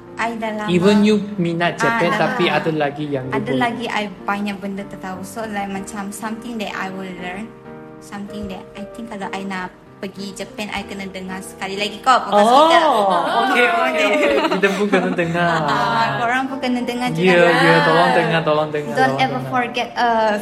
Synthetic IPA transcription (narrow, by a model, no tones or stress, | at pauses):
ʔajdalaivənjuminat̪̚d͡ʒəpɛ̃nt̪apiadalaɡijaŋadəlaɡiʔa̰jbaɲak̚bəndət̪ət̪ausolajk̚mat͡ʃamsãmt̪ĩŋdɛta̰jwillən | sãmt̪ĩŋdɛt̚ajt̪ĩŋkːalaʔajna | pəɡid͡ʒəpɛnʔa̰jkənadəŋasə̥kalilaɡikapaɔaokeokeid̪əpukənədəŋa | oɾãŋpukənadəŋajəjət̪olɔŋd̪əŋat̪olɔŋd̪əŋadõnɛvəfɔɹɡɛt̚ə